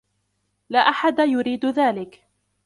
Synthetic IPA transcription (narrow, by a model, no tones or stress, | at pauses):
laːʔaħad̪ajʊɾiːd̪ðaːlɪk